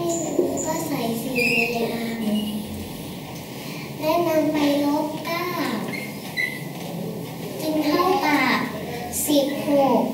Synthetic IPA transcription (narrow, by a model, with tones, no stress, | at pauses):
a˧jsɯ˧˩u˧˩sa˧˥˩sa˨˦jsiː˨˩laː˧la˧˩ʔa˧˩m | lɛ˦˥ma˧npa˧jlo˦˥p̚kaː˥˩p | t͡ɕi˧ŋk̪ʰa˥˩wpaː˨˩k̚ | si˨˩p̚hoː˨˧˩k̚